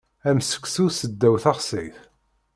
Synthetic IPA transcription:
æmsə̥ksusəd̪ːæwθɑʁsiθ

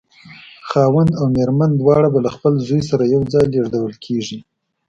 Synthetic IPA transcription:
xɑwand̪awmeɾmand̪wɑɽabalaxpəlzujsaɾajawd͡zɑjleʐd̪awəlkʰeʐi

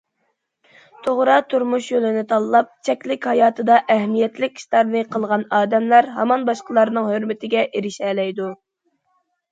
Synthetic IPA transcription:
t̪ʰoʁɾɑt̪ʰuɾmuʃjølɪnɪt̪ʰɑlˠlˠɑp̚t͡ʃʰɛkʲlɪkʲhɑjɑːt̪ʰɨd̪ɑʔɛhmijɛt̪lɪkʲst̪ɑɾnɨqʰəlˠʁɑnɑːd̪ɛmlæɾɦɑ̰mɑnbɑʃqəlˠɑɾnɨŋhøɾmɪt̪ʰɪɡʲɛʔiɾɪʃɛːlɛjd̪u

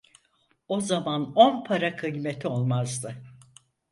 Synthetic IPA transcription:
o̞zamanonpʰaɾakʰɯjme̞t̪ʰio̞lˠmazd̪ɯ

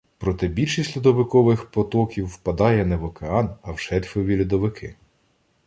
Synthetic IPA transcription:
pɾɔt̪ɛbʲilʲʃisʲlʲud̪ɔʋɪkɔʋɪxpɔt̪ɔkʲiwːpɐd̪ɑjɛnɛʋɔkeɑnɐwʃɛɾʲfɔʋʲilʲʊd̪ɔʋɪkʰɪ̰

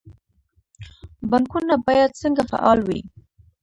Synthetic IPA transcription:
baŋkunabɑjad̪̚səŋɡafa̰ʔɑlwḭ

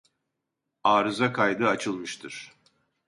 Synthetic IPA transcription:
aːɾɯzakʰajd̪ɯat͡ʃʰɯlˠmɯʃt̪ʰɯɾ̥

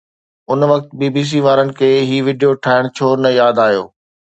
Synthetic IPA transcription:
ʊnʋɐk̚t̪biːbiːs̬iːʋaːɾənɪ̆kʰeːɦiːʋɪɖijoʈʰaːɪɽ̃t͡ɕʰoːɾnɐjaːd̪aːɦjo̰ː

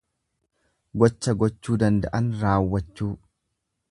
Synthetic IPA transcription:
ɡɔt͡ʃːɐɡɔt͡ʃːuːd̪ɐnd̪ɐʔɐnɾaːwːɐt͡ʃːuː

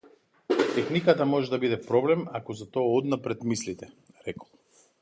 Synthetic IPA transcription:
t̪ɛxnikat̪amɔʒɛd̪abid̪ɛpɾɔblɛmakɔzat̪ɔaɔd̪napɾɛt̪mislit̪ɛ | ɾɛkɔ̥lˠ

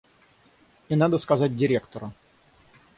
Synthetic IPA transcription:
inad̪əskɐzat̚ʲdʲɪɾʲe̞kt̪əɾə

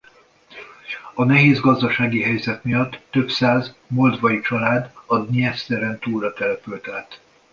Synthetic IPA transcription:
ɒnɛɦeːzɡɒzd̪ɒʃaːɡiɦɛjzɛt̪mijɒt̪ːø̞psaːzmo̞ld̪vɒjit͡ʃɒlaːd̪ɒd̪niɛst̪ɛɾɛnt̪uːlrɒt̪ɛlɛpylt̪aːt̪

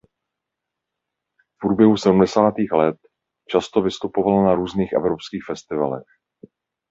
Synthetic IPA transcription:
fpɾuːbjɛɦusɛdum̩dɛsaːt̪iːxlɛt̪̚ | t͡ʃast̪o̞vɪst̪upo̞valnaɾuːzniːxʔɛ̰vɾopskiːxfɛst̪ɪva̰lɛ̰x

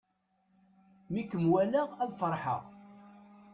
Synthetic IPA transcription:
mikːəmwæləʁæðfəɾˤħə̰ʁ

